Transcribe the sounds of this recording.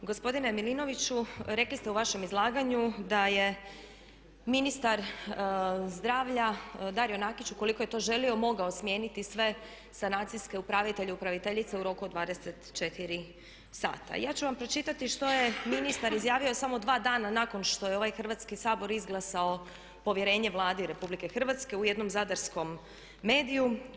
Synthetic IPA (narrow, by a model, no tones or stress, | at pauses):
ɡospo̞d̪inemilino̞ʋit͡ɕuɾe̞klist̪e̞uʋaʃe̞mizlˠaːɡaɲud̪aje̞ | minist̪aɾ | zd̪ɾaːʋʎad̪aɾjo̞nakit͡ɕukoliko̞je̞t̪o̞ʒe̞lio̞mo̞ɡao̞smje̞ːnit̪isʋe̞ | sanaːt̪siske̞upɾaʋit̪e̞ʎeupɾaʋit̪eʎit̪seuɾo̞kud̪ʋaːd̪eset̪t͡ʃe̞t̪iɾi | sa̰ːt̪a̰jaːt͡ɕuʋampɾo̞t͡ʃit̪at̪iʃt̪o̞je̞minist̪aɾizjaːʋio̞samo̞d̪ʋaːd̪aːnanako̞nʃt̪o̞jeo̞ʋajxr̩ʋat̪skisaːbo̞ɾizɡlˠasao | po̞ʋjeɾe̞ːɲe̞ʋlˠaːd̪iɾe̞publike̞xr̩ʋat̪ske̞ujed̪no̞mzad̪aɾsko̞mː | e̞ːd̪iju